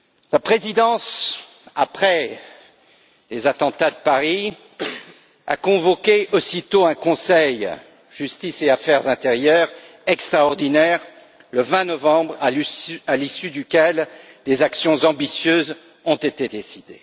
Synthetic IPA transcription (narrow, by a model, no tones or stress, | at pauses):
lapχezid̪ɑ̃s | apχɛ | lezat̪ɑ̃t̪ad̪əpaʁi | a̰kɔ̃vɔkʲeosit̪oɛ̃kɔ̃sɛj | ʒ̥yst̪iseafɛʁzɛ̃t̪eʁjœʁ | ɛkst̪χaɔʁd̪inɛʁ | ləvɛ̃nɔvɑ̃bʁaalisyd̪ykʲɛl | d̪ezaksjɔ̃zɑ̃bisjøz | ɔ̃t̪et̪ed̪esid̪e